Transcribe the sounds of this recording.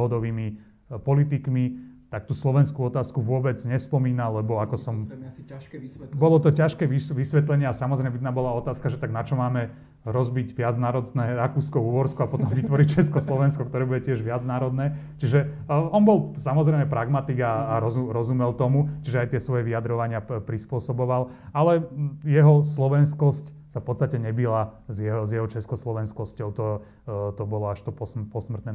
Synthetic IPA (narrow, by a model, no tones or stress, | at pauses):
ɦɔd̪ɔʋiːmi | pɔlit̪ikmit̪ak̚t̪uːslɔʋɛnskuːɔt̪aːskuʋʊɔbɛd͡zɲɛspɔmiːnalːɛbɔakɔsɔm | bɔlɔt̪ɔcaʃkɛːiʋisʋɛt̪lɛɲɪɛasamɔzɾɛmɛbid̪naːbɔlaɔt̪aːskaʒɛt̪aɡnat͡ʃɔmaːmɛ | ɾɔzbiɟʋɪad͡znaːɾɔd̪nɛːɾakuːskɔuʋɔɾskɔapɔt̪ɔmʋit̪ʋɔɾit͡ʃɛskɔslɔʋɛnskɔkt̪ɔɾɛːbuɟɛcɪɛʒʋɪad͡znaːɾɔd̪nɛː | t͡ʃiʒɛ | ɔnbɔlˠsamɔzɾɛɪmɛpɾaɡmat̪iɡaːɾɔzuɾɔzumɛlt̪ɔmut͡ʃiʒɛajt̪ɪɛsʋɔjɛʋiad̪ɾɔʋaɲɪapɾispʊɔsɔbɔʋal | alɛjɛɦɔslɔʋɛnskɔsc | safpɔt̪t͡st̪acɛɲɛbilazjɛɦɔzjɛɦɔt͡ʃɛskɔslɔʋɛnskɔscɔʊt̪ɔ | t̪ɔbɔlɔaʃt̪ɔpɔpɔsmr̩t̪nɛː